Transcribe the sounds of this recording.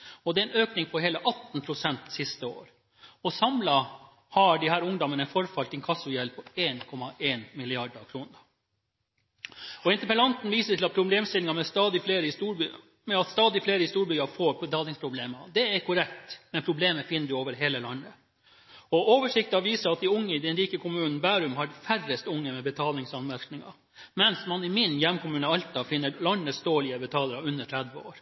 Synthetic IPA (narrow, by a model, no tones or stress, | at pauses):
ɔd̪ɛɾɛnøːknɪŋpʰɔɾheːləʔɑt̪n̩pʰɾʊsɛnt̪sɪst̪əo̰ːɾ | ɔsɑmlɑ | hɑɖɪhæːɾʊŋd̪ɔmənəfɔɾfɑlt̪ɪnkʰɑsʊjɛlpʰɔeːnkʰɔmɑʔeːnmɪlɪɑɖəkʰɾuːnəɾ | ɔɪnt̪əpəlɑnt̪n̩ʋiːsət̪ʰɪlɑt̪̚pʰɾʊbleːmst̪ɪlɪŋɑmɛst̪ɑːd̪ɪfleːɾə | mɛɑt̪st̪ɑːd̪ɪfleːɾəɪst̪uːɾbʏɑfoːɾət̪ʰɑːlɪŋspʰɾʊbleːmɑd̪ɛæɾkʊɾɛkt̪mɛnpʰɾʊbleːməfɪnːədʉoːʋəɾɦeːləlɑnːə | ɔʔoːʋəʂɪk̚t̪ɑʋiːsəɾɑt̪̚d̪ɪʊŋːəɪd̪ɛnɾiːkəkʰʊmʉːnn̩bæːɾʉmhɑɾfærəst̪ʊŋːəmɛbət̪ʰɑːlnɪŋsɑnmæɾknɪŋɑ̰ | mɛnsmɑnɪmɪnjɛmkʊmʉːnəɑlt̪ɑfɪnːəɾlɑnəst̪oːlɪəbət̪ʰɑːləɾɑʉnːəʈʰɾɛd̪ʋəo̰ːɾ